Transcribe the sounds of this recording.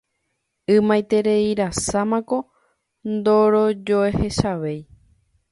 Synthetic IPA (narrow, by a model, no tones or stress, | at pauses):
ɨmãjt̪e̞ɾe̞iɾasamãko̞ | nd̪o̞ɾo̞d͡ʒo̞ehe̞ʃaʋe̞j